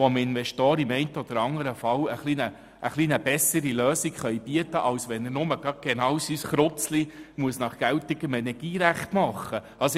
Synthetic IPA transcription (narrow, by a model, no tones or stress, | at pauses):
ɔmɪnʋɛʃtɔːɾimɛɪnt̪ɔd̪̥əɾɑŋəɾəfɑwəχlinə | ʔːχliːnəb̥ɛsəɾiløːsikχœjb̥iət̪əʔɑwsʋɛnəɾnʊməɡ̥ɑt̪̚ɡ̥enɑwsysχɾʊt͡slimuəsnɑχɡ̥æwtɪɡ̥əmɛnɛɾɡ̥iːɾæχtmɑχːə | ɑs